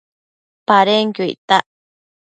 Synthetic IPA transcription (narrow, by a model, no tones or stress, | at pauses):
paɾeŋkuḭt̪aʔ